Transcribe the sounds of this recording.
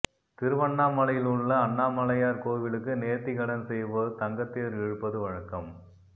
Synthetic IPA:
t̪ɪɾɯʋɐɳːaːmɐlɐjɪlɯɭːɐːɳːaːmɐlɐjaːɾkoːʋɪlɯkːɯneːɾt̪ːɪkɐɽɐnsɛjʋɐt̪ɐŋɡɐt̪ːeːɾɛɻɯpːɐðɯʋɐɻɐkːɐm

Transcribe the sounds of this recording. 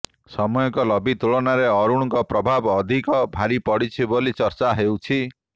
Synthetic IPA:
sɔmɔjɔŋkɔlɔbit̪uɭɔnaɾeɔɾũɔŋkɔpɾɔbʱabːd̪ʱikɔbʱaɾipɔɽit͡ʃʰibolit͡ʃɔɾt͡ʃaɦewt͡ʃʰi

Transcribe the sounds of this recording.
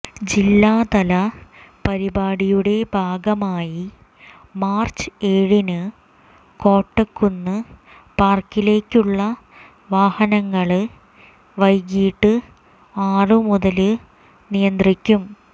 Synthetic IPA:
d͡ʑilːaːt̪ɐlɐpɐɾibaːɽijuɽe̞bʱaːɡɐmaːji | maːrt͡ɕːɨ̥eːɻinɨ | ko̞ːʈːekːunːɨ | paːrkːile̞ːkʲːuɭːɐ | ʋaːhɐnɐŋːɐɭɨ | ʋɐjkiːʈːɨ | aːrɨmuðɐlɨ | nijɐnd̪rikʲːum

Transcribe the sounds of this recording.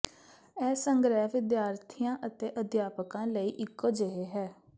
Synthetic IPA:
ɛːsəŋɡɾɛːɦʋʋɪd̪jaːɾt̪ʰijãːʔət̪eːʔəd̪jaːpəkãːləiːʔɪkːoːd͡ʒeɦeːɦɛː

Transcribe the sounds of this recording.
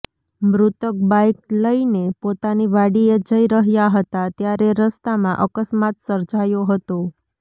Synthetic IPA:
mɾut̪ək̚bajkləinepot̪aniʋaɽied͡ʒəiɾəɦjaɦət̪at̪jaɾeɾəst̪amãʔəkəsmat̪səɾd͡ʒajoɦət̪o

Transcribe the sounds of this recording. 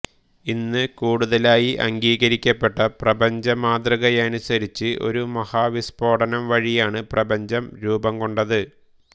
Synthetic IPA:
inːɨkuːɽuðɐlaːjiʔɐ̰ŋɡiːɣɐɾikʲːɐpːe̞ʈːɐprɐbɐɲd͡ʑɐmaːd̪rɨɣɐjɐnusɐɾit͡ɕːɨʔo̞̰ɾumɐhaːʋispoːʈɐnɐmʋɐɻijaːɳɨprɐbɐɲd͡ʑɐmɾuːbɐmkoɳɖɐðɨ

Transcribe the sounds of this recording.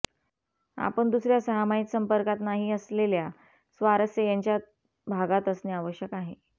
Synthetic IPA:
a̰pəɳd̪usɾjasəɦamait̪səmpəɾkat̪naɦiəslelja | sʋaɾəsjəjaɲt͡ɕja | bʱaɡat̪əsneaʋəɕjəkaɦe

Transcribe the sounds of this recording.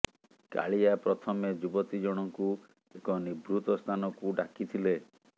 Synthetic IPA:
ka̰ɭijapɾɔt̪ʰɔmed͡ʒubɔt̪id͡ʒɔɽ̃ɔŋku | ekɔnibɾut̪ɔst̪ʰanɔkuɖakit̪ʰile

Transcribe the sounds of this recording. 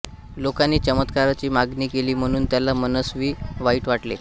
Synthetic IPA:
lokanːiːt͡ɕəmət̪kaɾat͡ɕiːmaɡniːkeliːm̤əɽ̃uːnt̪jalːamənəsʋiːʋaiːʈʋaʈlḛ

